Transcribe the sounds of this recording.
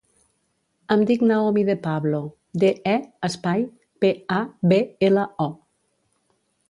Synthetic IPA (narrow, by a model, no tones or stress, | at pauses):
əmd̪iknaomiðepaβlo | d̪eɛəspaj | peabeeləɔ